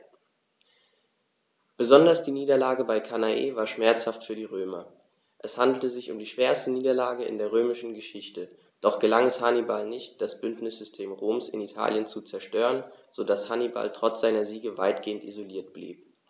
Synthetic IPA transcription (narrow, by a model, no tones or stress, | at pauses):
b̥əzɔndɐsd̥iːniːdɐlaːɡəbaɪkʰanaʔḛːvaːɐʃmɛɐt͡shaftfyːɐdiːʁøːmɐ | ʔɛshandl̩təzɪçʊ̰mdiːʃv̥eːɐstəniːdɐlaːɡəɪ̰ndeːɐʁ̞øːmɪʃn̩ɡəʃɪçtə | d̥ɔχɡ̥əlaŋɛshanibalnɪçt̚d̥asb̥ʏntnɪsz̥ʏstʰeːmʁoːmsɪ̰nitʰa̰ːljənt͡sut͡sɛɐʃtøːʁənz̥odashaniba̰ltʁ̥ɔt͡sz̥aɪnɐziːɡəva̰ɪtɡ̥eːəntʔḭzoliːɐtb̥lḭːp̚